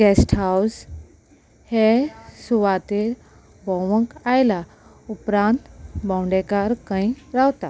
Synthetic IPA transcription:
ɡɛsʈɦaws | hesuʋat̪eɾ | bʱɔʋə̃kajla | upɾãnt̪bãwɳɖekaɾkãĩɾawt̪a

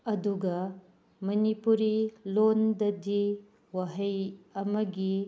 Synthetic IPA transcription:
ɐduɡɐ | mɐnipuɾilondɐdi | wɐɦɐjɐmɐɡi

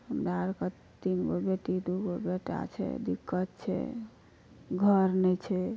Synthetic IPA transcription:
həmd̪aɾkə | t̪inɡobeʈ̪id̪uɡobeʈa̰t͡ʃʰɛ̰d̪ikːət̪̚t͡ʃʰɛ̰ | ɡʱəɾnɛjt͡ʃʰɛ

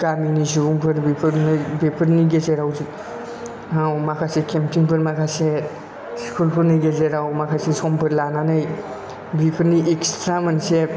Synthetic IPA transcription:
ɡaminisubuŋpʰɯɾbipʰɯɾnɯjbepʰɯɾniɡezeɾawzi | awmakʰasekʰemtʰiŋpʰɯɾmakʰase | skʰulpʰɯɾnɯjɡezeɾawmakʰasesɔmpʰɯɾlananɯj | bipʰɯɾniʔekstʰɾamɐnse

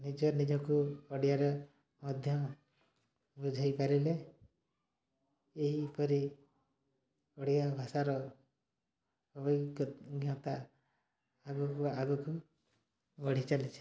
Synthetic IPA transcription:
nid͡ʒɔnid͡ʒɔkuɔɽijaɾe | mɔd̪ʱjɔ | bud͡ʒʱajpaɾile | eɦipɔɾi | ɔɽijabʱasaɾɔ | ɔbɔjkɡjɔt̪aː | ɡɔkuaɡɔku | bɔɽ̤it͡ʃalit͡ʃʰe̥

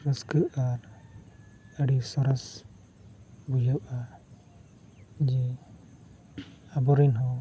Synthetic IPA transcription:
ɾəskəʔaɾ | əɽisɔɾɔs | bud͡ʒəwa | d͡ʒi | abɔɾinɦɔ̃

